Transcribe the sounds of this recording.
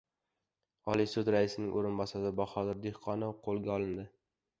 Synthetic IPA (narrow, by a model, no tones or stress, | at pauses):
ɒlˠisʊd̪ɾaɪsɪnɪŋʔoɾɪnbɒsaɾɪbɒχɒd̪ɪɾd̪ehqʰɒnɪwqʰolˠɡʲaɒlˠɪnd̪ɪ